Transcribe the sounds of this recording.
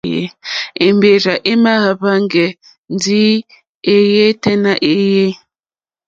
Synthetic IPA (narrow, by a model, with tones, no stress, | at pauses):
jḛ˨e˨mbe˨ɾa˨ʔe˦ma˦ɣa˨ba˦ŋɡɛ˨ | n˦di˦ | e˨je˦tɛ˦na˦ʔe˦je˦